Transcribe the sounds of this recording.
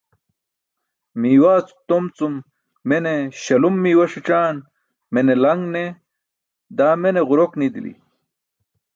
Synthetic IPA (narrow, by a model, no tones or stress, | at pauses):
miːwaːt͡su̥t̪omt͡sumː | eneɕɐlumːiːwɐʂiʈ͡ʂaːn | menelɐŋɡne | d̪aːmeneʁuɾoknid̪ilḭ